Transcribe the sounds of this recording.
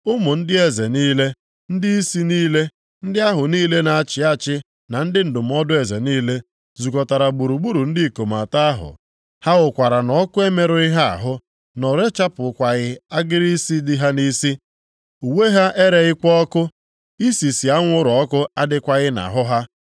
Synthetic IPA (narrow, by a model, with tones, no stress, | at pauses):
ʊ˦mʊ˨n̩˦dɪ˦e˨ze˨niː˦le˦ | n̩˦dɪ˦i˦si˦niː˦le˦ | n̩˦dɪ˦a˦ɦʊ˨niː˦le˦na˨a˦˨t͡ʃɪ˨a˦t͡ʃɪ˦ | na˨n̩˦dɪ˦n̩˨dʊ˨m̩˦ɔ˦dʊ˦e˨ze˨niː˦le˦ | zu˨kɔ˨ta˨ɾa˨ɡ͡bu˨ɾu˨ɡ͡bu˦ɾu˨n̩˦dɪ˦˨ko˨ma˨ta˦a˦ɦʊ̰˨ | ha˦ʊ˨kʷa˨ɾa˨nɔ˦kʊ˦e˦me˨ɾʊ˨˦ɪ˦ɦa˦a̰˨ɦʊ˦ | nɔ˨ɾe˦t͡ʃa˦pʊ˨kʷa˨ɣɪ˦a˦ɡɪ˦ɾi˦si˦dɪ˦ɦa˦ni˦si˦ | u˨we˦ɦa˦ʔe˦ɾe˨ɣɪ˦kɔ˦kʊ˦ | i˦si˨si˨a˦ŋʷʊ˦ɾɔ˦kʊ˦a˦dɪ˦kʷa˨ɣɪ˦na̰˨ɦʊ˦ɦa˦